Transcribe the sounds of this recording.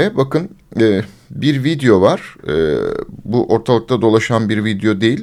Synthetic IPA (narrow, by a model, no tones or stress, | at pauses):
ɛbakɯnɛː | biɾvid̪ejo̞vaɾ̥ɯ̰ːbuʔo̞ɾt̪ʰalˠɯk̚t̪ʰad̪o̞lˠaʃanbiɾvid̪ejo̞d̪e̞jilʲ